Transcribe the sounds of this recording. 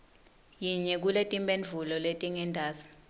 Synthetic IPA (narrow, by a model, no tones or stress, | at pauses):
jiɲɛk̬uletʼimbʱʼenvulɔletʼiŋɛndʱaːzi̥